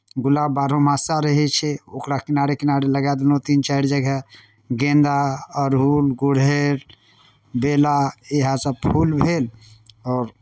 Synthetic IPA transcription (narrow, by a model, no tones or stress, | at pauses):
ɡulabbaɾomasaɾəɦɛt͡ʃʰɛokɾakinaɾekinaɾeləɡad̪not̪int͡ʃaɾd͡ʒəɡɛ | ɡẽnd̪aəɾɦulɡuɽɦeɾ | belaeɦãsəpʰulbʱelɔːɾ